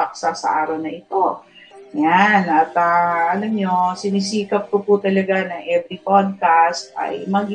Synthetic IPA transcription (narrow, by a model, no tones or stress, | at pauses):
ɐk̚sasɐ̰ʔaːɾɐwnɐʔɪt̪o̞ | janʔɐt̪ɐʔɐlamɲo̞sɪnisiːkɐp̚koput̪ɐlɐɡanɐŋʔɛbɾipod̪̚kast̪ʔɐ̰jmɐɡ